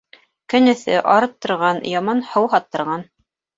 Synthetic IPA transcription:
kɘ̆nɘ̆θɘ̰ʔɑɾɤp̚t̪ŏɾʁɑnjɑmɑnhɤwɦɑt̪ːɤ̆ɾʁɑn

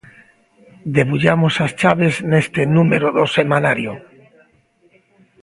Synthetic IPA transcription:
d̪eβuʎamosast͡ʃaβ̞eznest̪enumeɾoðosemanaɾjo

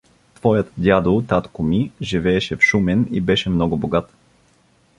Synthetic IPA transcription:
t̪v̥ɔjət̪d̪ʲjad̪olˠt̪at̪komiʒivɛːʃɛfʃumɛnibɛʃɛmnɔɡʊboɡat̪

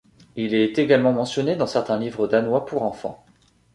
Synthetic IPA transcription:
ilɛt̪eɡalmɑ̃mɑ̃sjɔned̪ɑ̃sɛʁt̪ɛ̃livʁəd̪anwapuʁɑ̃fɑ̰̃

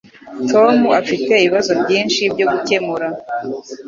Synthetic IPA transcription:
tʰo̞muafite̞iiβazo̞bɟiːnʃibɟo̞ɡuce̞muɾa

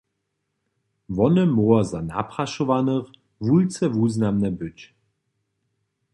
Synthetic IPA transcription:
vɔnəmoɐzana̰pʁaʃovanəʁ | vult͡sɛvuːznamnɛbʏt͡ɕ

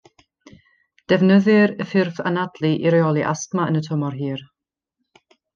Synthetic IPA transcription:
d̥ɛvnəðɨɾəfɪrfa̰nadlˠiʔiɾiɔlˠiʔa̰stmaənətʰɔmɔrɦiːr

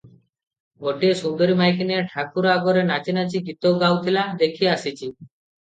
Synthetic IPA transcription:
ɡoʈiesund̪oɾimajkineʈʰakuɾaɡoɾenat͡ɕinat͡ɕiɡit̪owɡawt̪ʰilad̪ekʰieasit͡ɕʰi

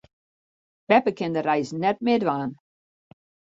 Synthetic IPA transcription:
b̥ɛpəkʰɛnd̪əɾajznɛt̚mɪdvaːn

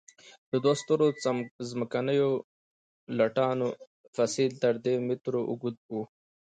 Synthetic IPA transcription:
d̪̥əd̪wast̪oɾot͡sazməkanəjo | laʈɑno | fasilt̪əɾd̪emɪt̪ɾoʔʊɡud̪̚bu

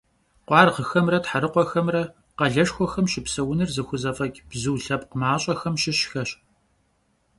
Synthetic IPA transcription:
qʷɑːrʁəxɐmrɐtħaɾɨqʷɔxɐmrɐ | qɐɮɐʃxʷɔxɐmɕɪpsɐwʊnɨrzɨxʷʊzɐfʼɐɡʲb̥zɨwɬɐpqəmaːɕʼɐxɐmɕɪɕxɐɕ

